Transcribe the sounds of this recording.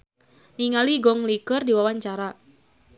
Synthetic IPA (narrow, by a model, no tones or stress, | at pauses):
niŋaliɡɔŋlikərdiwawaɲt͡ʃaɾa